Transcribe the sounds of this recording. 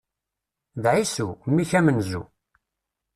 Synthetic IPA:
ðʕisumːiçæmənzṵ

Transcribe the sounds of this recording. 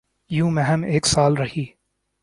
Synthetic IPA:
jũːmɛ̃ɦɛmeːksaːlɾɐɦiː

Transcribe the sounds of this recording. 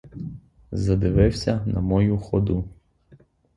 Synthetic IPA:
zɐd̪ɪʋɪwsʲɐnɐ̰mɔjuxɔd̪u

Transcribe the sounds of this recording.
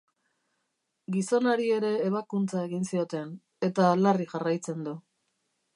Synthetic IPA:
ɡiso̞naɾie̞ɾe̞ːβ̞akunt͡sae̞ɣinsio̞t̪e̞n | e̞t̪alariʝarajt͡se̞nd̪u

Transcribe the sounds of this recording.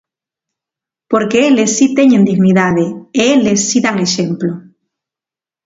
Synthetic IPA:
poɾkeelesːit̪eɲend̪iɣniðaðeeelesːiðaŋeʃemplo

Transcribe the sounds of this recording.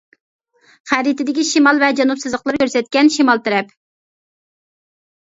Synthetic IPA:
χæɾit̪ɪd̪ɪkʲiʃimɑlˠvɛd͡ʒɑnupsɨzlˠəqlˠɨɾkʲøɾsɛt̪̚kʲɛnʃimɑlˠt̪ʰɪɾɛp

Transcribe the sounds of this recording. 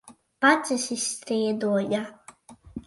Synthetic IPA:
pasʲisist̪ɾiɛd̪uɔja

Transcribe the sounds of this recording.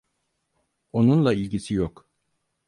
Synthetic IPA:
o̞nunlˠailʲɟisijok

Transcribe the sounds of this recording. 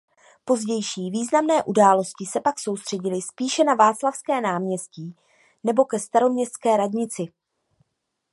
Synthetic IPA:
po̞zɟɛjʃiːviːznamnɛːʔudaːlo̞scɪsɛpakso̞wst̪r̥ɛɟɪlɪspiːʃɛnavaːt͡slafskɛːnaːmɲɛsciː | nɛbo̞kɛst̪aɾo̞mɲɛst̪t͡skɛːɾadɲɪt͡sɪ

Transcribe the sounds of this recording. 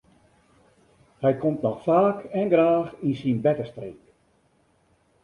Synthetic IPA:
hɛjkʰomtnɔxfaːkɛnɡraːxinsinbɛtəstrḛːk

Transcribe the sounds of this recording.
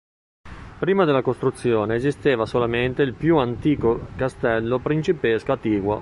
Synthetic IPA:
pɾiːmad̪elːakost̪ɾut̪sːjoːneːzist̪eːvasolament̪eilpjuant̪iːkokast̪ɛlːopɾint͡ʃipeskoat̪iːɡwo

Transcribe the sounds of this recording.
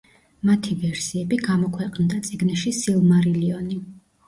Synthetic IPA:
mat̪ʰivɛɾsiɛbiɡamɔkʰwɛqʼnd̪at̪sʼiɡnɛʃisilˠmaɾiliɔni

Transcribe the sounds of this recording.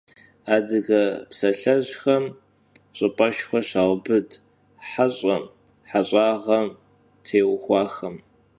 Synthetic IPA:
aːdɨɣɐpsɐɬɐʑxɐm | ɕʼɨpʼɐʃxʷɐɕaːʁbɨd | ħaɕʼɐm | ħaɕʷʼɑːʁɐm | tʰeːwxʷɑːxɐm

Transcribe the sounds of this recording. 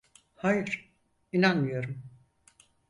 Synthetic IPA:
haːjɯɾ̥ | inanmɯjo̞ɾum

